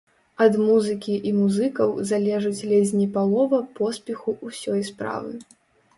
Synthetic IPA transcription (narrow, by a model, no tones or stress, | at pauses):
ɐd̪muzɨkʲiʔimuzɨkɐwzalʲɛʐɨt͡sʲlʲɛzʲnʲipalˠɔvɐpɔspʲɛxuʔusʲɔjspɾa̰vɨ̰